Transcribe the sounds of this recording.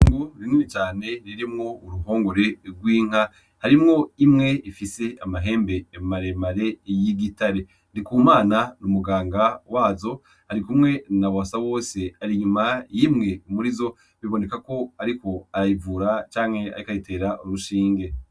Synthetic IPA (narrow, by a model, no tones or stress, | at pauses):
ŋɡuɾininit͡ʃaːne̞ɾiɾimŋo̞uɾuhoːŋɡoɾe̞ɾɡwiːŋ̥a | haɾimŋo̞imŋe̞ifise̞amaɦe̞ːmbeːmaɾemaɾe̞jiɡitaɾe | ndikuːmaːnanumuɡaːŋɡawaːzo̞ | haɾikumŋe̞nawasawo̞ːse̞aɾiɲumajimŋe̞umuɾizo̞ | βiβo̞ne̞kako̞aɾiko̞aɾajivuːɾat͡ʃaːŋhe̞a̰ɾikajite̞ːɾaʔuɾuʃiːŋɡe̞